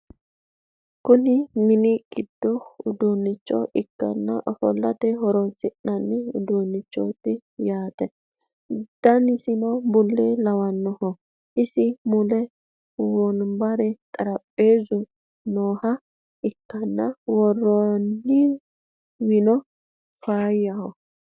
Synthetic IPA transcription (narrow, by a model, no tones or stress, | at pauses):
kʊnɪmɪnɪɡ̥ɪd̪̥ːɔʊd̪unːɪt͡ʃːɔ̰ʔɪkːɐ̰nːɐhɔ̰lːɐt̪ɛɦɔɾɔnsɪʔnɐnːɪʊ̰d̪unːɪt͡ʃːɔ̰t̪ːɪjaːt̪ɛ | d̪̥ɐnɪsɪnɔbʊlːelɐwɐnːɔhɔ | ʔɪsɪmʊlɛ | wɔnbɐɾɛt̪ʼɐɾɐpʼːe̞ːzʊ | noːhɐ | ʔɪkːɐnːɐwɔrɔnːɪ | wɪnɔ | faːjɐhɔ